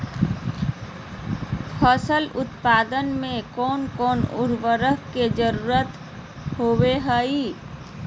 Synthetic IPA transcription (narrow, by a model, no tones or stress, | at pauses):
pʰəsəlʊt̪paːd̪ənmẽkɔːnkɔːnʊ̰ɾʋəɾəɦked͡ʒəɾuːɾət̪ | ɦoːweɦəi